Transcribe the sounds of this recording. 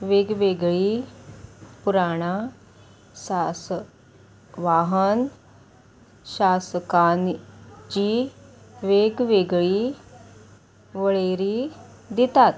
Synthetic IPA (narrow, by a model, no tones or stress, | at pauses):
ʋeːɡʋeːɡɭiː | pʊɾaːɽ̃aː | saːs | ʋaːɦən | ʃaːskaːnd͡ʒiːʋeːɡʋeːɡɭiː | ʋəɭeːɾiː | d̪ɪt̪at̪